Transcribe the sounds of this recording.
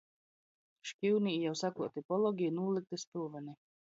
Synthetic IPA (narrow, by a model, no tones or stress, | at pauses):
ʃkʲiwniːjawsakuɔt̪ipɔlˠɔɡʲijnuːlˠik̚t̪ɨst̪uːvani